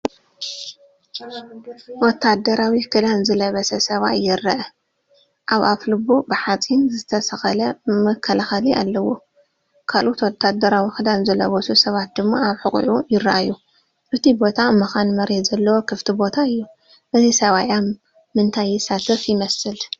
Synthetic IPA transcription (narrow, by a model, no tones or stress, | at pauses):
wɔt̪ʰːad̪ɐɾawikʰɨd̪anzɨlɐβɐsɐsɐβa̰jɪrːɐʔɐ | ʔaβʔaflɨbubɨħat͡sʼinzɨt̪ʰɐsɐxɐlɐmɐkʰːɐlaxaliʔalːɐwːo | kʰalʔot̪wɔt̪ʰːad̪ɐɾawikʰɨd̪anzɨlɐβɐsusɐβat̪̚d̪ɨmːaʔaβħɨkʼʕujɪɾaʔajːu | ʔɨt̪ʰibo̞t̪ʰamɨxanmɐɾet̪zɐlːɐwo̞kʰɨft̪ʰibo̞t̪ʰaɨjːu | ʔɨzisɐβajamː | ɨnt̪ʰajːɪsat̪ʰɨfjɪmɐsɨl